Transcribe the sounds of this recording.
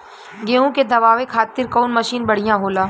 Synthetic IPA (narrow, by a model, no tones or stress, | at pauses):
ɡeːũked̪ɐʋaːʋekʰaːt̪ɪɾkɔːnmɐʃiːnbɐɽ̤ijãɦoːlaː